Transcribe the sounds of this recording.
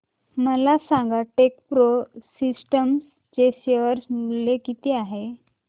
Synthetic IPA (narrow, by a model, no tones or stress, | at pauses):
məlasãŋɡaʈekpɾosisʈəms | t͡ɕeɕeʋəɾsnulekit̪eaɦe